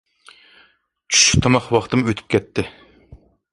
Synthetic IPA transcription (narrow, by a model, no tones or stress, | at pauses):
t͡ʃʰy̥ʃy̥t̪ʰɑmɑχwɑχt̪ɨmøt̪ʰy̥p̚kʲʰɛt̪ːɪ